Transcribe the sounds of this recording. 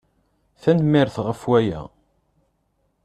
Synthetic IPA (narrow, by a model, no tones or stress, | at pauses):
θænmɪɾθʁəfwæjæ̰